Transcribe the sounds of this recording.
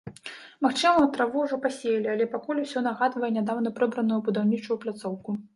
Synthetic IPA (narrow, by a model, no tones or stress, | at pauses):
maxt͡ʂɨmɐwt̪ɾavuwʐɔpasʲejɐlʲialʲɛpakulʲusʲɔn̪aɣad̪vɐjɛnʲad̪awnɐpɾɛbɾɐnujubud̪awnʲit͡ʂujwplʲat̪sɔwku